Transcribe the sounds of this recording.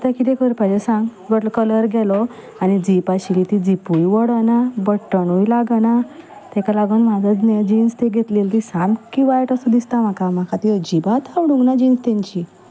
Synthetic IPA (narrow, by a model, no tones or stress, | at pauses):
t̪akit̪ekʰəɾpad͡ʑesãŋɡbəʈlɔkələɾɡʱɛlɔ | anid͡zipaɕilit̪id͡zipujʋəɽənabəʈːəɳujlaɡəna | t̪ɛkalaɡənm̤ad͡zət͡snɛd͡ʑinst̪eɡʱet̪lelt̪isãmbkiʋajʈəsũd̪ist̪am̤akamakʰat̪id͡ʑibat̪ʰawɽũŋɡnad͡ʑinst̪aɲt͡ɕi